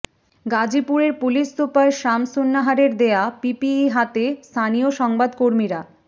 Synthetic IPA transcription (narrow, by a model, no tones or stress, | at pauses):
ɡad͡ʑipuɾeɾpuliʃːupaɾʃamsunːaɦaɾeɾd̪eapipiiɦat̪est̪ʰanijoʃɔŋbad̪koɾmiɾa